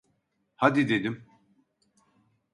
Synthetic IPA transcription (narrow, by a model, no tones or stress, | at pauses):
had̪id̪ed̪im